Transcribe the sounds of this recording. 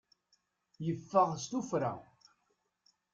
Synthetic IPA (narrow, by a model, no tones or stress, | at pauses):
jəfːəʁst̪ufɾa̰